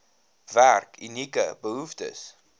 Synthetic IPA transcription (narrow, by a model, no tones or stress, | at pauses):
værkʰynikə̰bəɦuftə̰s